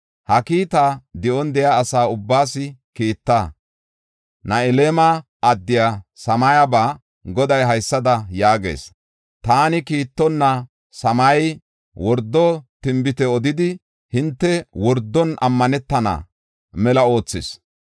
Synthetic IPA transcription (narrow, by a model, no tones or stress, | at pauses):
hɐkiːt̪ad̪ɪʔɔnd̪ɛjaːsaːʊbːaːsɪkiːt̪ːa | nɐɛleːma | ɐd̪ːɪjasɐmɐjabaː | ɡɔd̪ɐjɦɐjsːɐd̪ɐjaːɡḛːs | t̪aːnɪkiːt̪ːɔnːɐ | sɐmɐj | wɔɾd̪ːɔt̪ɪmbɪt̪ɛɔd̪ɪd̪ɪ | hɪnt̪ːɛwɔɾd̪ːɔnɐ̰mːɐnɛt̪ːɐna̰ː | mɛlɐo̞ːt͡sːɪ̰s